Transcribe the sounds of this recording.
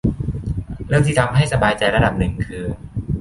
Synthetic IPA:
ɾɯ˥˩əŋt̪ʰiː˥˩a˧mɦa˥˩jsa˧baː˧jt͡ɕa˧jɾa˧da˨˩p̚nɯ˨˩ŋkʰɯː˧

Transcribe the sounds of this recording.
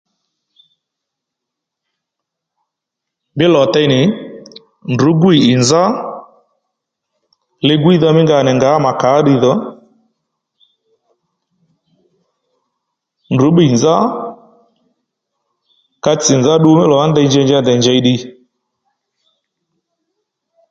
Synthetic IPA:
mbɪ˦lɔ˨t̪ɛ˧nɪ˨ | ndu˨˦ɡwi˨ʔɪ˨nza˦ | lɪ˧ɡwi˦ðɔ˧mɪ˦ŋɡa˨nɛ˨ŋɡa˨˦ma˨ka˨˦ɗi˧ðɔ˦ | ndu˨˦ɓi˨nza˦ | ka˧t͡sɪ˨nza˦ɗu˦mɪ˦lɔ˨a˦ndɛ˧˦ɲd͡ʒɛ˧ɲd͡ʒa˦nd̪ɛ˨ɲd͡ʒɛ˨jɗi˧

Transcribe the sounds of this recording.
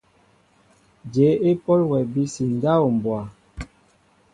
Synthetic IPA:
d͡ʒe˨˦e˦pɔ˦lwɛ˨bi˦si˨n˦da˦o˨m˨bwa˨

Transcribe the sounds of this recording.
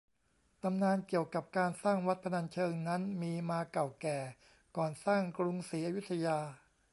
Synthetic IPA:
t̪a˧mnaː˧nki˨˩əwka˨˩p̚kaː˧nsaː˥˩ŋwt̪̚pʰa˧na˧nt͡ɕʰɤː˧ŋna˦˥nmiː˧maː˧ka˨˩wkɛː˨˩ | kɔː˨˩nsaː˥˩ŋkɾu˧ŋsiː˩˦ʔa˧ju˦˥t̪ʰa˧jaː˧

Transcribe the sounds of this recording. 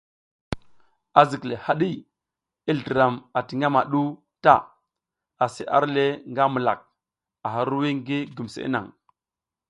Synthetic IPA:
a˨zi˨kle˨ha˦ɗi˦ | i˦ɮdi˨ɾa˨ma˨ti˨ŋa˦ma˨ɗu˦ | ta̰˦˨ | a˨sḭ˦ʔa̰˦ɾle˦ŋɡa˦mu˨la̰˨k̚ | a˨ɦa˦ɾu˦wi˦ŋɡi˦ɡu˨msḛ˨ḭ˦na̰˨ŋ

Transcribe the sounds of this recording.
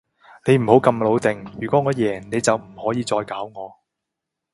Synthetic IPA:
ne˨˧jm̩˨˩ho˨˥wkɐ˧mlo˨˧wt̪ɪ˨ŋjyː˨kʷɔː˨˥ŋɔː˨˧jɛː˨˩ŋne˨˧jt͡sɐ˨wm̩˨˩hɔː˨˥jiː˧t͡sɔː˧jkaː˨˥wŋɔː˨˧

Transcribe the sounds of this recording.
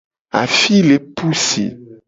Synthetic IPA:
a̰˨fi˦le˨pu˦sḭ˨

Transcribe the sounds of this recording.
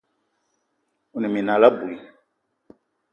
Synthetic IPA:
u˨nĩ˨mĩ˨nã˨la˦bu˨li˦

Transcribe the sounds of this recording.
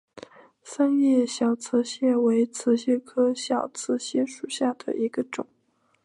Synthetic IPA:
sa˥njɛ˥˩ɕjɑ˨˩ʊt͡sʰɹ̩˧˥ɕjɛ˥˩we˧˥ɪt͡sʰɹ̩˧˥ɕjɛ˥˩kʰɤ˥ɕjɑ˨˩ʊt͡sʰɹ̩˧˥ɕi˥ʂu˨˩ɕja˥˩d̪ə̰˨˩ʔi˧˥ɡ̥ə˧ʈ͡ʂʊ˨˩˦

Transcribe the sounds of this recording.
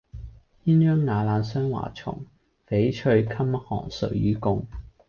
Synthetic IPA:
jiː˥njœː˥ŋːaː˨˧laː˨˧nsœː˥ŋwa̰ː˨˩t͡ʃʰʊ̰˨˩ŋ | fe˨˥jt͡ʃʰɵ˧ɥkʰɐ˥mhɔː˨˩ŋsɵ̰˨ɥjyː˨˥kʊ˧ŋ

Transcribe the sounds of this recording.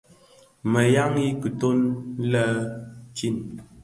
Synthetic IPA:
mə˨ja˦ŋi˦kə˨to˦n˦lə˦t͡ʃi˦˨n

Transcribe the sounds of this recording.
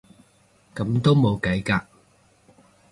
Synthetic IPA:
kɐ˨˥mt̪o˥wmo˨˧wkɐ˨˥jkaː˧k̚

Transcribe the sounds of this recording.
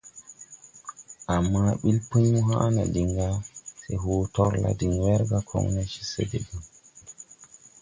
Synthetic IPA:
a˨mːa˦ɓi˦lpu˦ɲmu˦ɦã˦na̰˨di˨ŋɡa˦se˨ɦo˨tɔ˦ɾla̰˨di˨ŋwe˦ɾɡa˦kʰo̰˦ŋna˦t͡ʃi̥˦sḛ˨de˨ɡa˨

